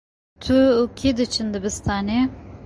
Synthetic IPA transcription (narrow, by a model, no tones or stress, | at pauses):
t̪ʰukʰed̪ɨt͡ʃʰɨnd̪ɨbɨst̪ʰɑːne